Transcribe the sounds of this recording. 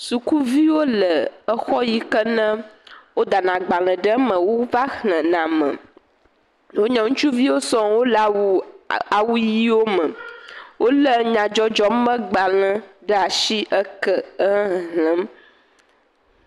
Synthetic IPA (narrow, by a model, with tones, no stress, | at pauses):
su˨ku˦vi˦wo˦lə˨ə˦xɔ˦ji˦kə˦nə̃˦wo˦d̪a˨nã˨ɡ͡ba˨l̃ə̃˨ɖə˦mə̃˨wo˦va˦hlə̃˨nã˨mə̰̃˨ | wo˦ɲɔ̃˨ŋũ˦t͡ʃu˦vi˦wo˦sɔ̃˦wo˦la˨wu˦a˨wu˦ji˦wo˦mə̃˨wʔo˦lə˦ɲã˨d͡ʒɔ˦d͡ʒɔ˦mə̃˦ɡ͡ba˨lə̃˨ɖə˦a˨ʃi˦ʔə˦kə˦ə̃˦ɦɦlə̃˨˦m